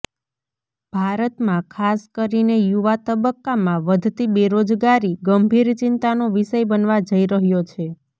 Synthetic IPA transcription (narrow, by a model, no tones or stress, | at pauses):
b̥ʱaɾət̪mãkʰaskəɾinejuʋat̪əbəkːamãʋəd̪ʱt̪ibeɾod͡ʒɡaɾiɡəmbʱiɾt͡ʃɪnt̪anoʋiʃəjbənʋad͡ʒəiɾəɦjot͡ʃʰe